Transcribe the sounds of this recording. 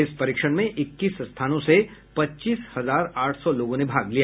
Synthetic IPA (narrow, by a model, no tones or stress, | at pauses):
ɪspɐɾiːkʃəɽmẽʔɪkːiːsst̪ʰaːnõsepɐtːt͡ʃiːshɐzaːɾaːʈʰsɔloːɡõnebʱaːɡlijaː